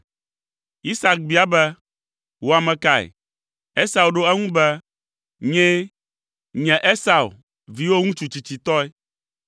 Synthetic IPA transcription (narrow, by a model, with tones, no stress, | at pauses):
i˦sa˨k̚bi˨˦a˦bɛ˦ | wo˦a˨mɛ̃˨ka˦˨ɛ̰˨ | e˦sa˨wɖo˦ɛ˦ŋũ˦bɛ˦ | ɲɛ̃˦ | ɲɛ̃˨ʔe˦sa˨wṵ˨ | vi˨wo˦ŋũ˦t͡ʃu˨t͡ɕi˨t͡ɕi˨t̪ɔ˦ɛ˦